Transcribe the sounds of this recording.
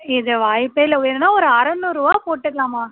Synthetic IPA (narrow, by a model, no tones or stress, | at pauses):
ɪðɯʋaːjpːeɪlɐenɐnaːɔɾɯaɾɐnːuɾuʋaːpoːʈːɯkɐlaːmaː